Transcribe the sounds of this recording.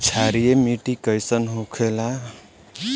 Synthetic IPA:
t͡ʃʰaɾijemiʈikəjsənɦokʰela

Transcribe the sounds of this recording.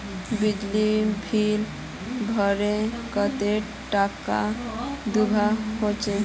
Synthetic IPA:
bid͡ʒlibʱil | bʱəɾekət̪e | ʈaka̰d̪ubʱaɦot͡ʃe

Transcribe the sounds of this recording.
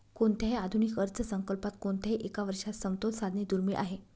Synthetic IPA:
koɳt̪jaɦead̪ʱunikəɾt͡səsəŋkəlpat̪koɳt̪aɦiʔekaʋəɾʂasəwt̪olsad̪ʱniːd̪uɾmiɭʔa̰ɦe

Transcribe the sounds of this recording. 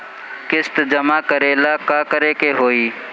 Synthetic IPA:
kɪst̪d͡ʒəmaːkəɾeːlaːkaːkəɾeːkeːɦoːiː

